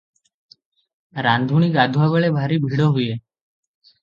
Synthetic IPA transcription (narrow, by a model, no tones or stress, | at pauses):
ɾãnd̪ʱunikad̪ʱuʋaʋəɭebʱaɾibʱiɽoɦuje